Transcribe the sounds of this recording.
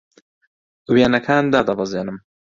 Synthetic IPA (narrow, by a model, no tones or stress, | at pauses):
weːnɐkʰaːnd̪aːd̪ɐbɐzeːnɨm